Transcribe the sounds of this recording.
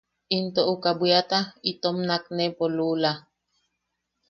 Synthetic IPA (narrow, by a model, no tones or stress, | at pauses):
int̪oʔukabwjat̪ait̪omnaknepolula